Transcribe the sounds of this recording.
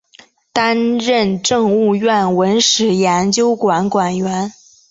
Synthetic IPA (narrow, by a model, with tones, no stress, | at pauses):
t̪a˥nɻə˥˧nʈ͡ʂɤ˥˧ŋu˥˧ɥɛ˥˩nwə˧˥nʂɻ̩˨˩jɛ˧˥nt͡ɕjo˥ʊkwa˨˧˥nkwa˨˩nɥɛ˧˥n